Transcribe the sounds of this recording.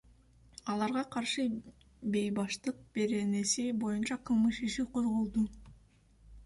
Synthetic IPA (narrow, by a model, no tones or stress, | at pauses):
ɑlˠɑɾʁɑqʰɑɾʃɯ | be̞jbɑʃt̪ɯq̚b̥e̞ɾe̞ne̞sibo̞junt͡ʃɑqʰɯlˠmɯʃiʃiqʰo̞zʁo̞lˠd̪u